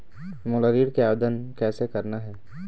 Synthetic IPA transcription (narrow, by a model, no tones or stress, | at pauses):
moləɾiːɽkeaːʋəd̪ənkɛːsekɐɾnaɦɛː